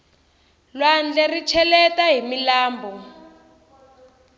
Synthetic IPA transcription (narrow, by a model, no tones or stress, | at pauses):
lwand͡ɮɛrit͡ʃʰɛlɛtaɦimilaːmbʱɔ